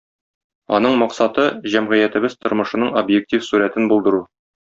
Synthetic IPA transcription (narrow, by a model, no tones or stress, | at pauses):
ɒ̰nɤɴmɒqsɑt̪ɤʑæmʁɘ̆jæt̪ɘ̆bɘz̥t̪ʰŏɾmɤ̆ʃɤ̆nɤɴobjek̚tʲifsuɾæt̪ɘnbulˠd̪ɤ̆ɾu